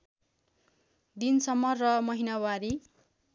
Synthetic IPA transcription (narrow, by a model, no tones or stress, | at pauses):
d̪insʌmːʌrːʌmʌɦinawaɾi